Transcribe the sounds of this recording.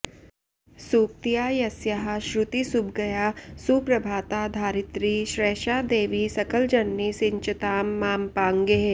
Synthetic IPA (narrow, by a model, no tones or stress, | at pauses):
suːkt̪ijaːjɐsjɐɦaʃɾʊt̪isubɡɐjasuːpɾɐbʱaːt̪ad̪ʱaːɾɪt̪ɾiʃɾeːʃaːd̪eːʋisɐkəld͡ʒɐnːisɪɲt͡ʃət̪aːmːaːmpaːŋɡeɦ